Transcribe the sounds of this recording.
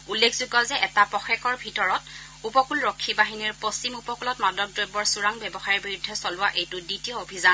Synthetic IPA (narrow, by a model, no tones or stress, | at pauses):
ulːekʰzuɡɔzɛʔɛtapɔxɛkɔɹbʱitɔɹɔt | upɔkulɹɔkʰːibaɦiniɹpost͡ʃimupɔkulɔtmadɔk̚dɹojbɔɹsuɹaŋbɛbɔxaɹiɹbiɹudʱːɛsɔlʊwaʔejtʊditijɔobʱizan